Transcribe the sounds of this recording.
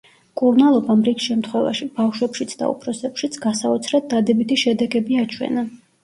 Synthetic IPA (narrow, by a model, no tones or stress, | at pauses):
kʼuɾnalˠɔbamɾiksʃɛmt̪ʰχwɛva̰ʃib̥afʃwɛpʃit̪sʰd̪a̰ṵpʰɾɔsɛpʃit̪sʰɡasaɔt̪sʰɾɛt̪̚d̪ad̪ɛbit̪ʰiʃɛd̪ɛɡɛbiat͡ʃʰwɛ̰na